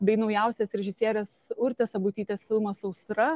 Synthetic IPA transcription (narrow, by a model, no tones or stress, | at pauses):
bʲɛɪnɒʊjɛʊsʲɛsɾʲɛʒʲɪsʲiɛɾʲɛsʊɾʲt̪ʲɛsɐbuːt̪ʲiːt̪ʲesfʲɪlˠmɐsɐʊsɾɐ